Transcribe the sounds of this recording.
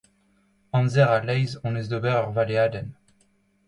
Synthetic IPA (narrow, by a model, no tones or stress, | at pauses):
ɑ̃nzɛʁalɛjzɔ̃nezd̪obɛʁœʁvalead̪ɛn